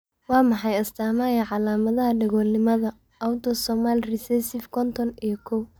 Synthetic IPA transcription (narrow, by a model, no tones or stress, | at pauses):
wɑːmɑħɑjɐst̪ʰaːmaːjɐʕɑlaːmɐðɐɦɐɖɐɣɔːlnɪmɐðɐ | wd̪ɔsɔmalrɪsɛsɪfkʰɔnt̪ʰɔnijɔkʰɔw